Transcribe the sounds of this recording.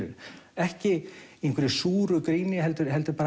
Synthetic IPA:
ʏ̰ɾɛhcɪenkʰvɪɾɪsuːɾʏkɾiːnɪɦɛlt̪ʏɾhɛlt̪ʏɾpaːɾ

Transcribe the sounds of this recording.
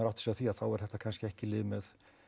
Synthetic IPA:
aɾawt̪sɛaθiaðθawɛɾ̥θɛht̪ːakʰanscɪɛhcɪlɪːvɪmɛð

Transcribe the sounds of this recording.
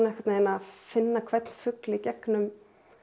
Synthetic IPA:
naɛhkvat̪naɛnafɪnːakʰv̥ɛt̪nfʏklɪicɛknʏm

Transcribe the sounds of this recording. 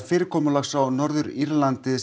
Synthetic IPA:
fɪːɾɪɾkʰɔːmʏɾlaxsawnɔɾðʏɾiɾlant̪ɪ

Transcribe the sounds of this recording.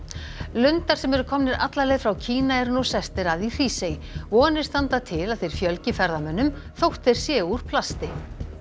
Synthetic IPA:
lʏnt̪aɾ̥sɛmɛɾʏkʰɔmnɪɾa̰t̪lalɛɣðfɾawcʰiːnaɛɾnusɛst̪ɪɾaðir̥iːsejvɔːnːɪ̥st̪ant̪at̪ʰɪlaðθejɾ̥fjœlcɪfɛɾðamœnːʏm | θowht̪θejɾ̥sjɛːuɾ̥pʰlast̪ɪ

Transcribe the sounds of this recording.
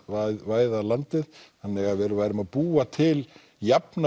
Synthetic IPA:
vaːjðalant̪ɪðhanːɛɣavɛːɾʏvaːjɾɪmaðpuːat̪ʰɪl | japna

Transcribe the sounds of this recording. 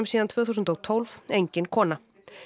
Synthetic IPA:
ʏmsiːant̪ʰvœːθusʏnt̪owt̪ʰowlvejɲcɪnkʰɔːna

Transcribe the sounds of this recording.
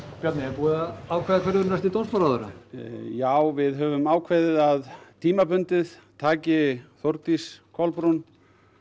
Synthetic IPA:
pjat̪nɪɛɾpuːðaawkʰvaːðakʰvɛɾʏɾnast̪ɪt̪onspaɾaːðʏɾa̰jaːwvɪðɦœvʏmaːwkʰvɛːðɪðaðt̪ʰiːmapʏnt̪ɪðt̪ʰaːcɪθowɾt̪iskʰɔlpɾun

